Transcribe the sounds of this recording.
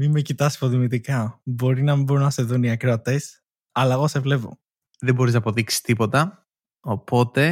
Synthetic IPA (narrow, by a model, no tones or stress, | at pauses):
mimmecit̪ɐsi̥poðimit̪ikɐbo̞ɾinɐmibo̞ɾunɐse̞ðuniɐkɾoɐt̪es | ɐlɐeɣosevle̞vo̰ | ðemboɾiznɐpo̞ðiksi̥st̪ipot̪ɐ | opo̞t̪e̞